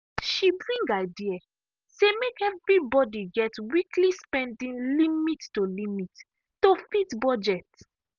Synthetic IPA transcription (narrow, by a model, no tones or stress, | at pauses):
ʃibɹĩŋɡaɪdia | semekɛvɹibɔdiɡɛtwiklispɛ̃ndĩnlimittolimit | tofitbɔd͡ʒɛt